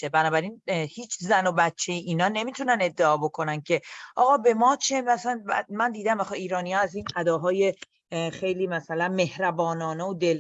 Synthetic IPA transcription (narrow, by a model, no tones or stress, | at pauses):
ebænɒːbæɾinhiːt͡ʃʰzæno̞bætt͡ʃʰːejeʔiːnɒːne̞miːt̪ʰunæne̞d̪ːeɒːbo̞kʰo̞næn̥cʰe̞ʔɒːɣɒːbe̞mɒːt͡ʃʰemæsænbæ̰mænd̪iːd̪æmæxɒiːɾɒːnijɒːæziːnʔæd̪ɒːɦɒːje̞ | xejliːmæsælænme̞hɾæbɒːnɒːneod̪el